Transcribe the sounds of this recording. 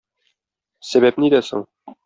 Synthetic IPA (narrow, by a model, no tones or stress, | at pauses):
sæβæpnid̪æso̰ɴ